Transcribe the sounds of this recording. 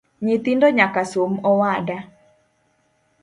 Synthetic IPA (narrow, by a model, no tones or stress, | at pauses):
ɲɪt̪indɔɲakasomɔwada